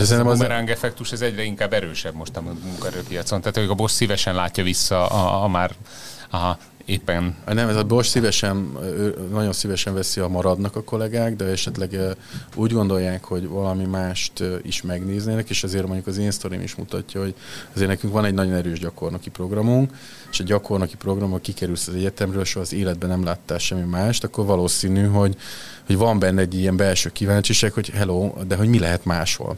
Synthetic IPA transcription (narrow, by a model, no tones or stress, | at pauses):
d̪ɛsɛnɛmɛɾaŋɡɛfɛkt̪uʃɛzɛɟrɛiŋkaːbːɛɾøːʃɛbmo̞ʃt̪ɒmimuŋkɒɛɾøːpijɒt̪sont̪aːt̪ːmoukɒbo̞ʃsivɛʃɛnlaːcːɒvisːɒɒmaːr | eːpːɛnɒnɛmɛzɒbo̞ʃsivɛʃɛnønɒɟo̞nsivɛʃɛɱvɛsiɒmɒɾɒd̪nɒkɒko̞lɛɡaːɡd̪ɛɛʃɛt̪lɛɡuːɟɡo̞nd̪o̞jːaːkho̞ɟvɒlɒmimaːʃt̪ḭʃmɛɡneːzneːnɛkeːʃɛzeːrmoɲɟukɒzeːnst̪oɾḭmḭʃmṵt̪ɒ̰cːɒho̞ɟɒzeːrnɛkyŋkʋɒnɛɟnɒɟo̞nɛɾøːʒɟɒko̞rnokipro̞ɡrɒmuŋk | eʃɛɟɒko̞rnokipro̞ɡrɒmokikɛɾylsɒzɛɟɛt̪ɛmrøːlʃoɒzeːlɛd̪̚bɛnɛmlaːt̪ːaːlʃɛmːimaːʃt̪ɒkːo̞rvɒloːsiːnyɦo̞ɟhoɟvɒmbɛnːɛɛɟːiɛmbɛlʃøːkivaːnt͡ʃiʃakho̞ɟɦɛloːd̪ɛɦo̞ɟmilɛɦɛt̪maːʃho̰l